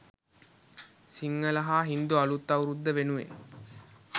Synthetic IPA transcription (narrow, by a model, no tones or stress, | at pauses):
siŋːələɦaːɦind̪ualut̪ːɐuɾud̪ːəʋenuʋḛ